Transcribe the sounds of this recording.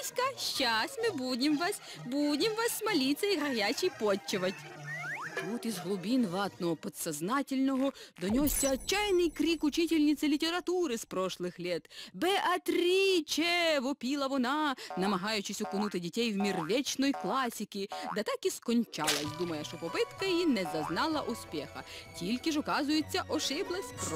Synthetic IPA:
sʲkɐʃt͡ʃasʲtʲmɪbudʲɪmʋɑsʲ | budʲɪmʋɑsmɐlʲit̪sɐiɦɐɦʲjʲat͡ʃijpɔt͡ʃːɪʋɐtʲ | t̪ut̪izɦlˠʊbʲinʋɑt̪nɔɦɔpɔt̪sɐznɑtʲɪlʲnɔɦɔd̪ɔnʲɔsʲːɐːt͡ʃːajnɪjkɾʲikʊt͡ʃɪtʲɪlʲnʲit̪sɐlʲitʲeɾɐt̪uɾɪspɾɔʃlˠɪxlʲɛt̪bɛʔɐt̪ɾʲit͡ʃɛʋɔpʲilˠɐʋɔnɑnɐmɐɦɑjʊt͡ʃɪsʲʊkʊnut̪ɪdʲitʲɛjwmʲirʋʲɛt͡ʃnɔjklˠɑsʲikʲid̪ɛt̪ɑkiskɔnʲt͡ʃɑ̰lˠɐsʲd̪umɐjɛʃt͡ʃɔpɔpɪt̪kɐjjinɛzɐznɑlˠɐʔʊspʲɛxɐtʲilʲkɪʒɔkɑzʊjɪt͡sʲːɐʔɔʃɪblˠɐsʲp

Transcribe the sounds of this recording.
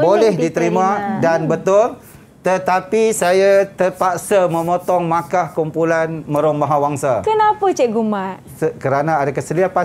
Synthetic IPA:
bolɛhddit̪əɾimãdanbət̪ʊl | t̪ət̪apisajat̪əpaʔsamə̃mɔt̪ɔŋmakahkumpulanmə̃ɾombaɦawaŋsakənapət͡ʃɛʔɡumaʔ | səkəɾanaːdakəsəliapa

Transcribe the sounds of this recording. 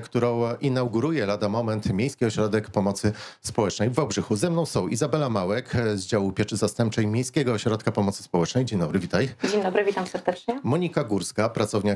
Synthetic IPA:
kt̪uɾɔ̃w̃ʔinawɡuɾujɛlad̪amɔmɛnt̪mʲejskʲiɔɕɾɔd̪ɛkpɔmɔt̪sɘspɔwɛt͡ʂnɛjvawɡʐɘxuzɛmnɔ̃w̃sɔ̃w̃ʔḭzabɛlamawɛkzd͡ʑawupʲjɛt͡ʂɘzast̪ɛmp̚t͡ʂɛjmʲejskʲɛɡɔːɕɾɔt̪̚kapɔmɔt̪sɘ̥spɔwɛt͡ʂnɛjd͡ʑeɲd̪ɔbɾɘvʲit̪ajd͡ʑeɲd̪ɔbɾɘvʲit̪amsɛɾd̪ɛt͡ʂɲɛmɔɲikaɡuɾskapɾat̪sɔvɲa

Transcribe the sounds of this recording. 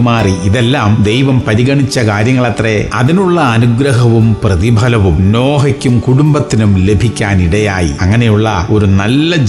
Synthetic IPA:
maːriiðelːaːmd̪e̞jʋɐmpɐɾiɣɐɳit͡ɕːɐkaːɾjɐŋːɐɭɐt̪reɐðinuɭːɐːnuɡɾɐɦɐʋumprɐðibʱɐlɐʋumno̞ːɦɐkʲːumkuɽumbɐt̪ːinumle̞bʱikʲːaːniɽɐjaːjḭɐŋːɐne̞juɭːɐ̰o̞ɾunɐlːɐd͡ʑ

